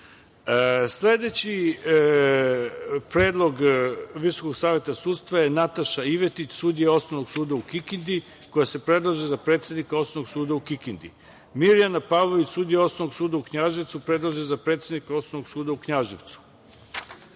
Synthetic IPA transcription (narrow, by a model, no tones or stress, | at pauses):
sle̞d̪e̞t͡ɕi | pɾeːd̪lˠo̞ɡʋisokoɡsaːʋjet̪asuːt̪st̪ʋaje̞nat̪aʃaiʋe̞t̪it͡ɕsuːd̪ijeo̞snoʋnoɡsuːd̪aukikind̪i | ko̞jase̞pɾe̞d̪lˠaʒezapɾet̪sʲjed̪nikao̞snomoɡsuːd̪aukikind̪i | miɾijanapaʋlˠo̞ʋit͡ɕsuːd̪ijeo̞snonoɡsuːd̪aukɲaʒeʋt̪supɾe̞d̪lˠaʒezapɾe̞ːt̪sʲed̪nikao̞snoʋoɡsuːd̪aukɲaʒiʋt̪su̥